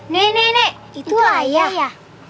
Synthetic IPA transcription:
nenene | ituajaja

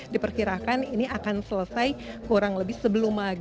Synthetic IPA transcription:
dipərkiɾakaniniakansələsajkuɾaŋləbɪhsəbəlʊmaɡ

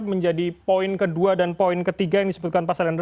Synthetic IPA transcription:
məɲd͡ʒadipoɪnkəduadanpoɪnkət̪iɡajaŋdisəbut̪̚kanpasalanr

